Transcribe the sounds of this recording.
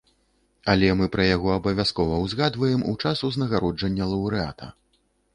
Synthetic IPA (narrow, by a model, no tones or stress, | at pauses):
ɐlʲɛmɨpɾɐjaɣɔɐbɐvʲaskɔvɐwzɣad̪vɐjɛmṵt͡ʂasuznɐɣaɾɔd͡ʐɐnʲːɐlˠɐwɾɨa̰t̪ɐ̰